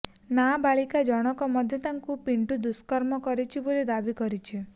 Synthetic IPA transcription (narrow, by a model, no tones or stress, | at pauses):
nabaɭikad͡ʒɔɽ̃ɔkɔmɔd̪ʱjɔt̪aŋkupiɳʈud̪uskɔɾmɔkɔɾit͡ʃʰibolid̪abikɔɾit͡ʃʰi